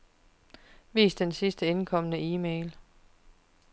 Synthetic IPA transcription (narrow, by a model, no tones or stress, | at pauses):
ʋḭːsd̥ensisd̥əe̝nkʰɒ̽mənəiːmeɪl